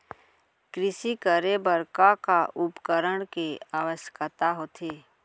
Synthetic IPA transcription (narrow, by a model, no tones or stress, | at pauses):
kɾɪsikəɾebəɾkakaʔʊpkəɾəɳkeaːʋəʃkət̪aɦoːt̪ʰeː